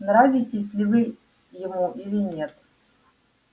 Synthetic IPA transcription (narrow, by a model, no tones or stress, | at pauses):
nɾavʲɪtʲɪsʲlʲɪvɨ | jɪmuʔilʲɪnʲet̪